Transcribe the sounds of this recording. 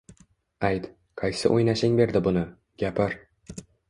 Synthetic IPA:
ajt̪ | qʰɑjsɪ̰ʔojnaʃɪŋbe̞ɾd̪ɪbʊnɪ | ɡʲapʰɪɾ

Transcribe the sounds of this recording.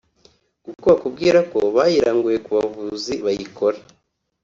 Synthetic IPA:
ɡukoβakubɡiːɾako̞βaːjiɾaːŋɡuje̞kuβavuziβajiko̞ɾa

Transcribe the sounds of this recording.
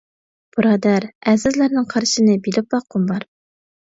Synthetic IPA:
b̥uɾɑd̪æɾæzɪzlæɾnɪŋqʰɑɾʃɨnɨbilɪp̚bɑqːumbɑɾ

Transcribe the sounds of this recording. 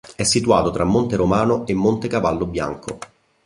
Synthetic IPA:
ɛsːit̪uaːt̪ot̪ɾamːont̪eɾomaːnoemːont̪ekavalːobja̰ŋko

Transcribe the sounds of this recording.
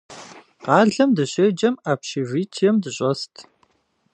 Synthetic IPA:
qɑːɮɐmdɨɕed͡ʒɐmaːpʃiviːtʰjɛmdɨɕʼɔstʰ

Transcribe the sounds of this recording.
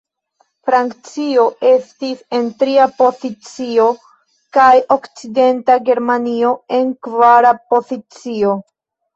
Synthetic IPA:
fɾaŋkt͡sio̞ʔe̞stise̞ntɾiapo̞zit͡sio̞ | kajo̞kt͡side̞ntaɡe̞ɾmanio̞e̞nkvaɾapo̞zit͡sio̞

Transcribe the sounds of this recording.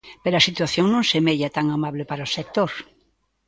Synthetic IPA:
peɾoasit̪waθjoŋnõŋsemeʎat̪aŋamaβlepaɾaosek̚t̪oɾ

